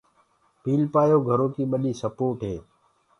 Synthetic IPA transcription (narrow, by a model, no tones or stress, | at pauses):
piːlpaːjoːɡʱəɾõːkiːɓəɗiːsəpoːʈɦeː